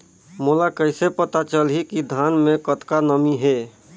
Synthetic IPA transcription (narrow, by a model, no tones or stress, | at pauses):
mulakəɪsepət̪at͡ʃəlɦikid̪ʱanmẽkət̪kanəmiɦe